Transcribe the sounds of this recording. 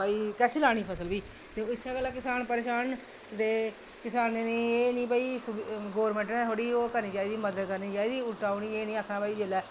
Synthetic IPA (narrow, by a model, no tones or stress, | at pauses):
aːiːkɛːsilaːɽ̃iːpʰəsəlbiː | t̪eɪsaːɡəlːaːkɪsaːnpəɾeːʃaːn | d̪eː | kɪsaːneːnẽːeːnĩːbaːiːsɡoːɾmẽːɳʈnẽːɦoːɽiːoːkəɾnĩːd͡ʒaːid̪iːməd̪əd̪kəɾniːd͡ʒaːiːd̪iːʊʈaːuːniːeːnĩːaːkʰnaːbaːiːd͡ʒeːlɛː